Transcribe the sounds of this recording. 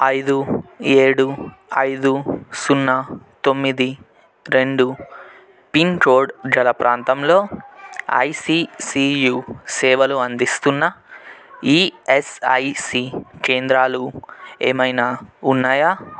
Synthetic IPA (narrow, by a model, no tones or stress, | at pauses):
ɐjd̪ueːɽu | ɐjd̪usunːɐ | t̪o̞mːid̪i | ɾe̞ɳɖu | piŋkoːɾɖd͡ʒɐlɐpɾaːnt̪ɐmlo̞ː | ɐ̰jsiːsiːjuːsɛːʋɐluɐnd̪ist̪unːɐ | iːesɐ̰jsiːkeːnd̪ɾaːlueːmɐjnaunːaːjaː